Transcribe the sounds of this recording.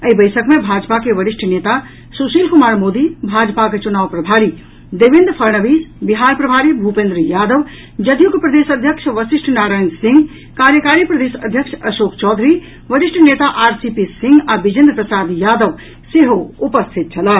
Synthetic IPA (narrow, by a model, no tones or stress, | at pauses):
əibəɪsəkmẽbʱaːd͡ʒpakeʋəɾiʃʈʰənet̪a | susiːlkumaːɾmod̪ibʱad͡ʒpaket͡ʃunaːʋpɾəbʱaɾi | d̪eʋind̪pʰəɾɳəʋiːsbiɦaɾpɾəbʱaːɾibʱupẽnd̪ɾjaːd̪əʋ | d͡ʒəd̪jukpɾəd̪esəd̪ʱjəkʃʰʋəsiʃʈʰnaːɾaːɪnsĩŋɡ | kaɾjəkaɾipɾəd̪esəd̪ʱjəkʃʰɐʃoːkt͡ʃɔːd̪ʱɾi | ʋəɾiʂʈʰnet̪aʔaːɾsipisĩŋɡabid͡ʒind̪ɾəpɾəsad̪jaːd̪əʋ | siɦoupəst̪ʰit̪̚t͡ʃʰɐla